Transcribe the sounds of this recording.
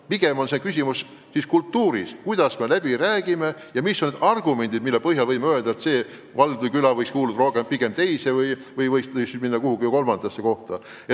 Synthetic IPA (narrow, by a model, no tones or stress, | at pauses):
piɡ̥e̞mo̞nsekysʲimus | siskult̪ːuːɾiskujd̪̥ɑsme̞læb̥iɾæːɡ̥ime̞jɑmisːoned̪ɑrɡ̥ume̞nd̪id̪̚milːepɤhjɑlvɤjmeøeld̪̥ɑet̪se̞ː | vɑld̪̥vɨkylɑvɤjkskuːlud̪̥ɾo̞hkempiɡ̥e̞mt̪e̞jsevɯj | vɯjvɤjsɯksnyminːɑkuhuɡijuko̞lmɑnd̪̥ɑsːeko̞ht̪ɑ | e